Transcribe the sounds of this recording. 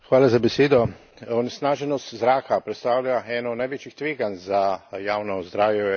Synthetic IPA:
xʋaːlazabɛseːd̪ɔ | ɔnɛsnaːʒɛnɔst̪zɾaːkapɾɛt̪st̪aːwʎʲaɛnɔnajʋeːt͡ʃixt̪ʋeːɡanzajaːwnɔzd̪ɾaːwjɛ

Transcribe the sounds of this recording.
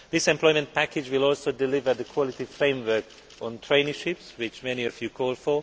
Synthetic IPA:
ðɪsɛ̃mpʰl̥ɔɪmə̃npʰækɪd͡ʒwɪlɔlˠsodɪlɪvə˞ðəkʰwɔlɪtifɹẽɪ̃mwə˞k | ɔ̃ntʰɹ̥ẽɪ̃nəʃɪpswɪt͡ʃmɛniɔvjukʰɔlˠfə

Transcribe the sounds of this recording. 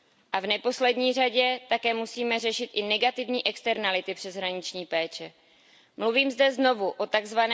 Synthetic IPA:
ʔavnɛpo̞slɛdɲiːr̝aɟɛt̪akɛːmusiːmɛrɛʃɪt̪ʔɪnɛɡat̪ɪvɲiːʔɛkst̪ɛɾnalɪt̪ɪpr̝̥ɛzɦɾaɲɪt͡ʃɲiːpɛːt͡ʃɛ | mluviːmzdɛzno̞vuʔo̞t̪aɡzvanɛ

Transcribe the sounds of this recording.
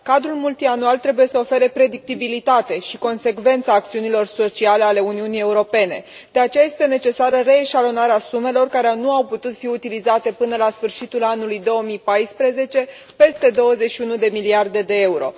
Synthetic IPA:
kad̪ɾulmult̪ianualt̪ɾe̞buje̞səo̞fe̞ɾe̞pɾe̞d̪ik̚t̪ibilit̪at̪e̞ʃiko̞nse̞kve̞nt̪saːk̚t̪siunilo̞rso̞t͡ʃiale̞ale̞uniunije̞uɾo̞pe̞ne̞ | d̪̥e̞at͡ʃe̞jajest̪e̞ne̞t͡ʃe̞saɾəre̞ːʃalo̞naɾeasume̞lo̞rkaɾeanuawput̪ut̪fiut̪ilizat̪e̞pɨnəlasfɨrʃit̪ulanulujd̪o̞omipajspɾeze̞t͡ʃe̞ | pe̞st̪e̞d̪o̞wəze̞tʃiunud̪e̞miliard̪e̞d̪e̞e̞uɾo̞̰

